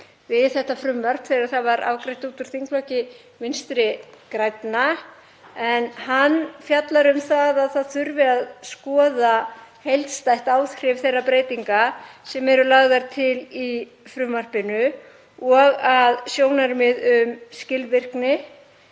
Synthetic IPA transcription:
vɪðθɛht̪ːafɾʏmvar̥pθɛɾaɾθaðvaɾʔa̰wkɾejht̪uːt̪ʏɾ̥θiŋklɔcɪ | vɪnst̪ɾɪkɾajt̪na | ɛnɦanːfjat̪laɾʏmθaðaðθaðθʏɾvɪaðskɔːðahejlt̪st̪ajht̪aːwθrɪvθejrːapɾeːjt̪iŋkasɛmɛɾʏlaɣðaɾ̥t̪ʰɪli | fɾʏmvar̥pɪnʏ | ɔɣaðsjoːwnaɾmɪðʏmscɪlvɪr̥knɪ

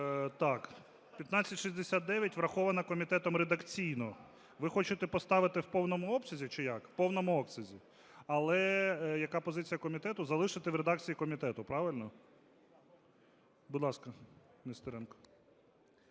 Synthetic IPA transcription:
t̪ɑk | pʲjɐt̪nat͡sʲɐtʲʃizʲd̪esʲat̪̚d̪ɛʋʲjɐtʲʋɾɐxɔʋɐnɐkɔmʲit̪ɛt̪ɔmred̪ɐkt͡sʲijnɔ | ʋɪxɔt͡ʃɪt̪ɛpɔst̪ɑʋɪt̪ɪwpɔwnɔmʊɔpsʲɐzʲit͡ʃɪjɑkwpɔwnɔmʊɔksʲɐzʲi | ɐlˠɛjɐkɑpɔzɪt͡sʲijɐkɔmʲit̪ɛt̪ʊzɐlˠɪʃɪt̪ɪʋɾed̪ɑk̚t͡sʲijikɔmʲit̪ɛt̪ʊpɾɑʋɪlʲnɔ | bʊd̪lˠɑskɐ | nest̪ɔɾɛnkɔ̥

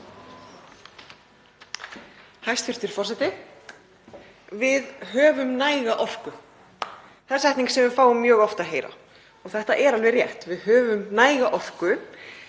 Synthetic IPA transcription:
hajst̪fɪr̥t̪ɪɾ̥fɔr̥sɛt̪ɪ | vɪðɦœːvʏmnaːjɣaʔɔr̥kʏ | θɛsɛht̪niŋksɛmvʏfaːwʏmːjœːɣɔft̪aðɦeːjɾa̰ | ɔɣθɛht̪aʔɛɾalvɛrjɛht̪vɪðhœːvʏmnaːjɣaʔɔr̥kʏ

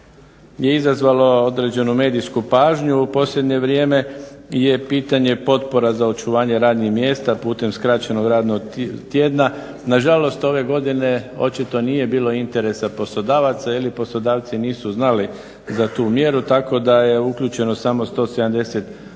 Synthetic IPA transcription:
je̞izazʋalo̞o̞d̪ɾed͡ʑe̞numeːd̪iskupaːʒɲuːpo̞slʲʎʲe̞d̪ɲe̞ʋɾjeːme̞je̞piːt̪aɲe̞po̞t̪po̞ɾazao̞t͡ʃuʋaːɲe̞ɾaːd̪nixmje̞ːst̪apuːt̪e̞mskɾat͡ɕe̞no̞ɡɾaːd̪noɡt̪jed̪na | naʒalo̞st̪o̞ʋe̞ɡo̞d̪ine̞o̞̰t͡ʃit̪o̞niːje̞biːlˠo̞int̪e̞ɾe̞sapo̞slod̪aːʋat̪sailipo̞slo̞d̪aːʋt̪siniːsuznali | zat̪uːmje̞ɾut̪ako̞d̪aje̞ukʎʲuːt͡ɕe̞no̞samo̞st̪o̞ːse̞d̪amd̪e̞set̪

